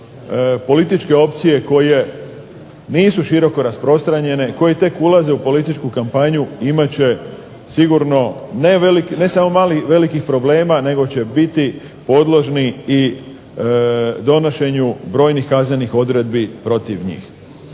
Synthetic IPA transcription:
po̞lit̪it͡ʃke̞o̞p̚t̪sije̞ko̞je̞ | niːsuʃiɾo̞ko̞ɾaspɾo̞st̪ɾaɲe̞ne̞ko̞jet̪e̞kulaze̞upo̞lit̪it͡ʃkukampaɲuimat͡ɕe̞ | siɡuɾno̞neʋelikne̞samo̞maːliʋe̞likixpɾo̞ble̞ːmane̞ɡo̞t͡ɕe̞bit̪i | po̞d̪lˠoʒniː | d̪o̞noʃe̞ɲubɾo̞ːjnixkaznenixo̞d̪ɾe̞d̪̚bipɾo̞t̪iʋɲḭːx

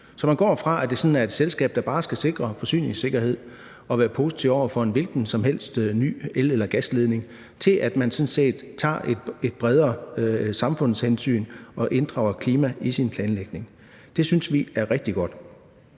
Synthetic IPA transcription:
sɒ̽mænɡɒ̰ːfʁɑ̈ʔæd̥e̝sɒ̽nn̩æɐe̝d̥selsɡ̥ɛ̰ːb̥d̥æ̈b̥ɑ̈ːsɡ̥æse̝ɡ̥ʁɐfɒ̽sy̰ːne̝ŋse̝ɡ̥ɐɦe̝ð̞̰ˠ | ɒ̽ʋæːɐpʰo̝si̥t͡sʰiʊ̰ɒʊ̰ɐfɒ̽e̝nʋe̝lɡ̥n̩sɒ̽mɦel̰sd̥ny̰ːelelɐɡ̥æsle̝ð̞ˠne̝ŋ | t͡sʰe̝lʔæd̥mænsɔ̽nse̝̰ːd̥t͡sʰɑ̰̈ːe̥ed̥̚b̥ʁɛð̞ˠɐsɑ̈mfɔ̽n̰shensy̰ːnɒ̽ʔe̝nd̥ʁɑ̈ʊɐkʰliːmæisinpʰlɛːnleɡ̥ne̝ŋ | d̥e̝synsʋiæɐʁɛɡ̥̚d̥iɡ̥ɒ̽d̥

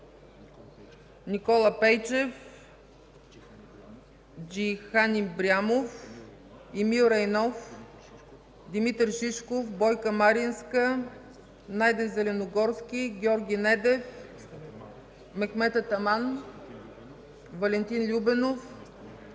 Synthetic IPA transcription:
nikɔlˠəpɛjt͡ʃɛf | d͡ʒixanʲimbɾʲamof | imilˠɾɛjnɔf | d̪imit̪ɾʒiʃkofbɔjkəmaɾinskə | najd̪ɛnzɛlɛnoɡɔɾskʲiɡʲɔɾɡʲinɛd̪ɛf | mɛxmɛt̪ət̪ɐman | vɐlɛnt̪inlʲubɛnof

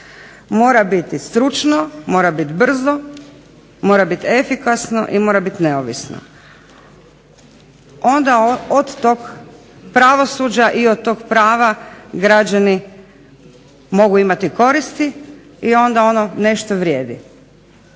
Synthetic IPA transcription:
mo̞ːɾabit̪ist̪ɾut͡ʃnomo̞ːɾabit̪br̩zo | mo̞ːɾabit̪ie̞fikasno̰ʔimoɾabit̪ine̞oʋḭsno̰ | o̞nd̪aod̪t̪oɡ | pɾaʋo̞sud͡ʑaʔiod̪̚t̪o̞ɡpɾaːʋaɡɾad͡ʑani | mo̞ɡuimat̪iko̞ɾist̪i | io̞nd̪ao̞none̞ʃt̪oʋɾʲjeːd̪ḭ

